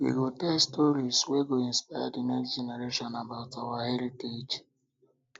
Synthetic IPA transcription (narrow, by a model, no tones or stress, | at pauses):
wḭɡotɛlstɔɾisweɡoĩnspaja̰dinɛksd͡ʒeneɾeʃɔ̃nabaʊtawahɛɾited͡ʒ